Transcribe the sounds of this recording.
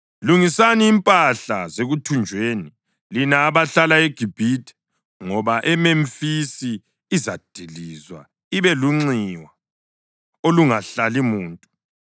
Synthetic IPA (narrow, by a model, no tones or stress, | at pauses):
luŋisaniːmpʼaɬa̰zeɣutʰund͡ʒʱweːni | linaːβaɬalaeɡ̥ʱib̥ʱitʰʼɛ̥ | ŋɔβaʔɛmemfisiː | zad̥ʱilizwa̰ | iβɛluŋ͡ǀiwa | oluŋaɬalimuːntʼu